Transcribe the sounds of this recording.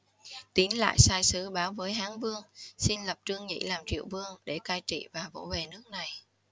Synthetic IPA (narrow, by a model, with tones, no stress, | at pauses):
t̪i˨˦ənla̰ː˧˨jsaː˧jsɨ˨˦ɓaː˨˦wvəː˨˦jɦaː˨˦ŋvɨ˧əŋsi˧nlə˨˩p̚t͡ɕɨ˧əŋɲḭ˧˥laː˨˩mt͡ɕḭ˧˨əwvɨ˧əŋɗe˧˩kaː˧jt͡ɕḭ˧˨vaː˨˩vo̰˧˥ve˨˩nɨ˦˥ək̚na˨˩j